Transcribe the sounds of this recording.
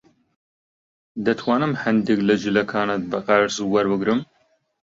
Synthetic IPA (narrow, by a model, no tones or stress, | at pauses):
d̪ɐt̪ʰwaːnɨmhɐnd̪eklɐd͡ʒɨlɐkʰaːnɐt̪̚bɐqaɾsuwɐɾbɨɡɾɨm